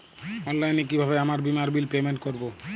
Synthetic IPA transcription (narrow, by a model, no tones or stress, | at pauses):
ɔnlajnek̬ibʱaβeamaɾbimaɾbilpemeɳʈkoɾbo